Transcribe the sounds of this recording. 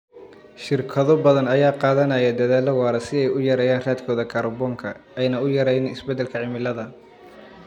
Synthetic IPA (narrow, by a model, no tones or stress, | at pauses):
ʃɪrkʰɐðɔbɐðɐnɐjaːqɑːðɐnɐjɐd̪ɐðaːlɐwɑːɾɛsɪɛjʊjɐɾɛjaːnraːd̪kʰɔːðɐkʰɐrbɔːŋkʰɐɛjnɐʊjɐɾɛjnɪɪsbɛd̪ːɛlkʰɐʕɪmɪlɐðɐ